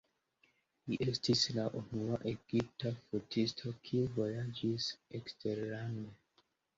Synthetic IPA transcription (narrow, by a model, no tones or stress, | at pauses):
liʔe̞stislaʔunuaʔeɡ̥ip̚tafutʰistʰo̞kʰiuvo̞jad͡ʒiseksteɾane